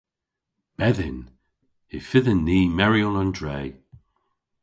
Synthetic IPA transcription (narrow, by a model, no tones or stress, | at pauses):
b̥ɛðɪn | ɪfɪðənːiːmɛɹiɔnəndɹeː